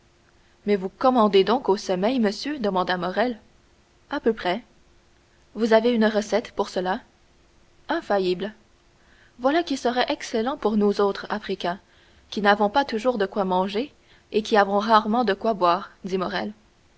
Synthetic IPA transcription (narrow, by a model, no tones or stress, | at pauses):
mɛvukɔmɑ̃d̪ed̪ɔ̃kosɔmɛjməsjød̪əmɑ̃d̪amɔʁɛl | apøpχɛ | vuzaveynʁəsɛt̪puʁsəla | ɛ̃fajibl | vwalakʲisəʁɛʔɛkselɑ̃puʁnuzot̪χafχikʲɛ̃ | kʲinavɔ̃pat̪uʒuːʁd̪əkwamɑ̃ʒe | ekʲiavɔ̃ʁaʁmɑ̃d̪əkwabwaːʁd̪imɔʁɛl